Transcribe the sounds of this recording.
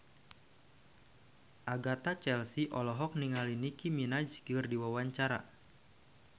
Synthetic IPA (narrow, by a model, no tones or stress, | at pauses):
ʔaɡat̪at͡ʃɛlsiʔɔlɔɦɔk̚niŋalinikiminad͡ʒɡərdiwawaɲt͡ʃaɾa̰